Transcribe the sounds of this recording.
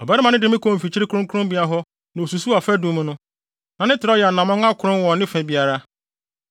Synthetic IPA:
ɔ˨bɛ˦ɾɪ˦mã˨nɪ̃˦dɪ˨˦ɪ̃˦kʰɔ̃˨m̩˨fi˨t͡ɕʰi˦ɾɪ˦kʰɾʊ̃˦ŋkʰʊ˦ɾʊ̃˦mbi˨˦a˦ɦɔ˦ | nã˨o˨su˨su˦a˨fɛ˦dũ˨˦m̃˦nʊ̃˦ | nã˨nɪ̃˦tʰɪ˨ɾɔ˦jɛ˨a˨nã˨mɔ̃˦ŋa˦kʰʊ˨ɾʊ̃˦n˦wɔ˨nɪ̃˦fɛ̃˨bi˨a˨ɾa˦

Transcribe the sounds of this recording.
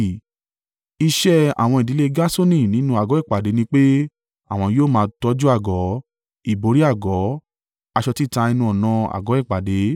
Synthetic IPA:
i˧ʃɛ˦a̰˨w̃ɔ̃˧i˨di˨˦le˦ɡa˦so˦nĩ˦˨nĩ˨˦nũ˧˦a˦˨ɡɔ˨˦ɛ˦˨k͡pa˨de˨˦nĩ˧k͡pe˦ | a˦˨w̃ɔ̃˧joː˦˨mãː˧tɔ˦d͡ʒu˦a˦˨ɡɔ˨˦ | i˨bo˨˦ɾi˦a˦˨ɡɔ˨˦ | a˧ʃɔ˧ti˦˨ta˧i˧nũ˧˦ɔ˨nã˧a̰˨ɡɔ˨˦ɛ˦˨k͡pa˨de˨˦

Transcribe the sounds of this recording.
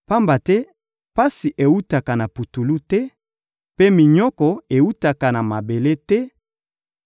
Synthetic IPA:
pa˦mba˨tɛ˦ | pa˦si˨ʔe˨u˦ta˨ka˨na˨pu˨tu˨lu˦tɛ˦ | pe˦mi˨ɲɔ˦kɔ˨e˨u˦ta˨ka˨na˨ma˨be˨le˦tɛ˦

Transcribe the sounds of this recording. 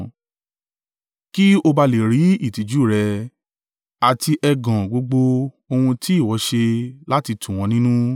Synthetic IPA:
ki˦o˧ba˧le˨ɾi˨˦i˦˨ti˨˦d͡ʒu˦˨ɾɛ˧ | a˨ti˧ʔɛ˧ɡã˨ɡ͡bo˨˧ɡ͡bo˧ | o˧hũ˧ti˦i˦˨wɔ˨˦ʃe˧la˦ti˧tũ˨w̃ɔ̃˨˧nĩ˦nũ˦

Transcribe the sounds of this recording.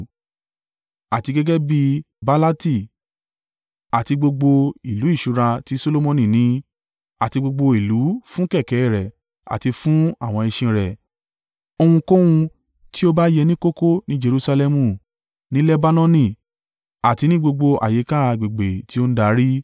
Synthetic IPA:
a˨ti˧ɡɛ˦ɡɛ˦bi˧ | ba˦la˦ti˦˨ | a˨ti˧ɡ͡bo˧ɡ͡bo˧i˨lu˨˦i˦˨ʃu˧˦ɾa˧ti˦so˦lo˦mɔ̃˧nĩ˨nĩ˨˦ | a˨ti˧ɡ͡bo˧ɡ͡bo˧i˨lu˨˦fũ˦kɛ˦˨kɛ˨˦i˦˨ɾɛ˨ | a̰˨ti˧fũ˦a˦˨w̃ɔ̃˧i˧ʃĩ˧ɾɛ˨ | o˧hũ˧ko˦wũ˧ | ti˦o˦ba˦jɛ˧nĩ˦ko˦ko˦nĩ˦d͡ʒe˧ɾu˧sa˧lɛ˧mũ˧˨ | nĩ˦lɛ˦ba˦nɔ̃˦nĩ˧˨ | a˨ti˧nĩ˦ɡ͡bo˧ɡ͡bo˧ʔa̰˨je˨˦ka˦˨˧ɡ͡bi˨ɡ͡be˨ti˦o˦n̩˦da˧˦ɾi˦

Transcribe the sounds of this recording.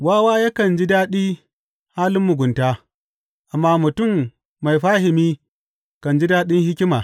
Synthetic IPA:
waː˦waː˦ja˦kɐ˨nd͡ʒi˦daː˦ɗiː˦ | haː˦lɪ˦mːʊ˨ɡʷʊ˨ntaː˦ | ʔa˨mːaː˦mʊ˨tʊ˦˨mː | a˨jɸaː˦ɦɪ˨miː˦ | kɐ˨nd͡ʒi˦daː˦ɗɪ˦ŋhɪ˦kʲɪ˦maː˨

